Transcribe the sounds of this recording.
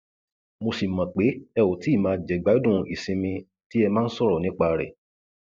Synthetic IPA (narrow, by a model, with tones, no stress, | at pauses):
mo˧si˨mã˨k͡pe˨˦ɛ˧wo˨ti˦i˦˨mãː˧d͡ʒɛ˨ɡ͡ba˨˦dũ˦˨˧i˨sĩ˧mĩ˧ | ti˦ɛ˧mãː˦n̩˦sɔ˦˨ɾɔ˨nĩ˨˦k͡pa˧˨ɾɛ̰˨